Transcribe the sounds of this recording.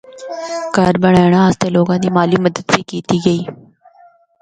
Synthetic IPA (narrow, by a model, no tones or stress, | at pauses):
kəɾbəɳ̃aːɳãːəːst̪eːloːɡãːd̪iːmaːliːməd̪əd̪biːkiːt̪iːɡəiː